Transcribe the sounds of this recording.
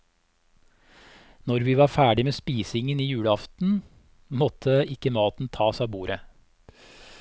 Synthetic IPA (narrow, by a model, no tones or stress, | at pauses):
nɔɾʋiːʋɑːɾfæːɖɪmeːspiːsɪŋəniːjʉːɽəɑft̪n̩ | mɔt̪ʰəɪkəmɑːt̪n̩t̪ʰɑːsɑːbuːɾə